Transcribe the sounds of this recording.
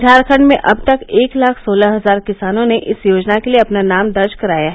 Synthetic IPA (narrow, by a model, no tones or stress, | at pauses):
d̪ʱaːɾkʰə̃ɳɖmẽʔɐb̚t̪ɐkeːklaːkʰsoːlaɦɐzaːɾkɪsaːnõneʔɪsjoːd͡ʒnakelieɐpnanaːmd̪ɐɾd͡ʒkɐɾaːjaɦ